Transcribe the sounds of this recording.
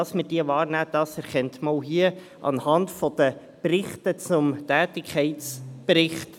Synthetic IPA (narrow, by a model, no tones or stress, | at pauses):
ɑsmɪd̥iːəʋɑːɾnæːd̥ɑsɛɾχɛntmɑlɦiə | ʔɑ̰nhɑndfɔd̥̪ə | prɪχtət͡sʊmtæːtɪkʰχɛɪtt͡spɾɪχt